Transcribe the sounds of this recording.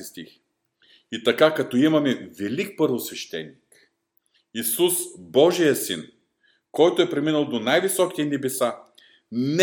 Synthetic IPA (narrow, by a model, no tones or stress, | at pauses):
ist̪ḭx | it̪ɐkakɐt̪ɔimɐmɛvɛlik̚pɤɾvosvɛʃt̪ɛ̰nːik | isusbɔʒijəsḭn | kɔjt̪oɛpɾɛminəlˠd̪onajvisɔkit̪ɛnɛbɛsa | n